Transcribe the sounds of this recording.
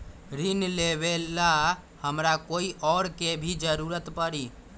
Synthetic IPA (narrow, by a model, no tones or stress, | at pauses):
ɾinleβela | həmɾakoiʔɔɾkebʱid͡ʒəɾuɾət̪pəɾi